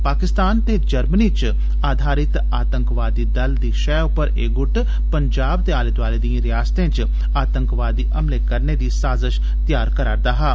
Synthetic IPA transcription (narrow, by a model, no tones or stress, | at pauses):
paːkɪst̪aːnt̪eːd͡ʒəɾmniːt͡ʃ | aːd̪ʱaːɾɪt̪ | aːt̪əŋkʋaːd̪iːd̪əld̪iːʃɛːʊpəɾeːɡʊʈ | pəɲd͡ʒaːb̚t̪eːaːlet̪ʋaːleːd̪ĩãɾɪjaːst̪ẽːt͡ʃ | aːt̪əŋkʋaːd̪iːʔəmleːkəɾneːd̪iːsaːzəʃ | t̪ɪjaːɾkəɾaːɾd̪aːɦaː